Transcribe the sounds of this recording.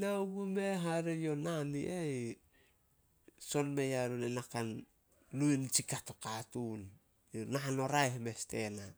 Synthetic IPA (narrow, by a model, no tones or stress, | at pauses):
nauɡumeɦaɾejo̞nanḭʔej | so̞nme̞jaɾunenakan | luint͡ʃikatokatun | jonaano̞ɾajhme̞ste̞̰na